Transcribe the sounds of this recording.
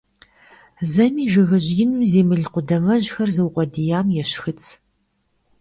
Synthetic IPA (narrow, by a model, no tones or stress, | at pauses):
zɐmiːʒɨɣɐʑjɪnɨmzeːmɨɮqʷʊdɐmɐʑxɐrzɨwqʷʼɔdijaːmjɛɕxɨt͡sʰ